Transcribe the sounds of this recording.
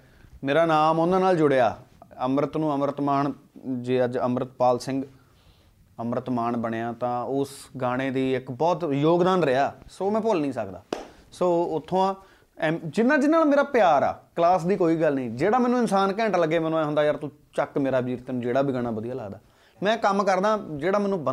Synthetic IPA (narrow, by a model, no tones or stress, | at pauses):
meːɾaːnaːmond̪ãːnaːld͡ʒʊɽeːaːəmɾət̪nũːəmɾət̪maːɳd͡ʒeːəd͡ʒəmɾət̪paːlsɪ̃ŋɡ | əmɾət̪maːɳbəɽeːãːt̪ãːʊsɡaːɽ̃eːd̪iːɪkbɔːt̪joːɡd̪aːnɾəjaːsoːmɛ̃ːpʊlnĩːsəkd̪a̰ː | soːʊt̪ʰːõːãː | d͡ʒɪnːãːd͡ʒɪnːaːlmeːɾaːpɪjaːɾa̰ːkəlaːs̬d̪iːkoːiːɡəlnĩːd͡ʒeːɽaːmɛ̃ːnũːɪnsaːnkɛ̃ːɳʈləɡːeːmɛ̃ːnõaːɦʊ̃nd̪aːjəɾt̪ũː | t͡ʃəkmeːɾaːbʱiːɾt̪eːnũːd͡ʒeːɽaːbʱiːɡaːɽ̃aːbəd̪ijaːlə̰ːɡd̪aː | mɛ̃ːkəmkəɾd̪ãːd͡ʒeːɽaːmɛ̃ːnũːbə